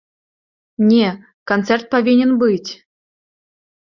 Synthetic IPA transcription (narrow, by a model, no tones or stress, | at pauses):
nʲe | kont̪t͡sɛrt̪̚povʲinʲenbɨtʲ